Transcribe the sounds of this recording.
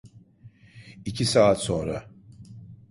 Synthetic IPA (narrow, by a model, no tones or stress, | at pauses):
icʰisaːt̪so̞nɾa̰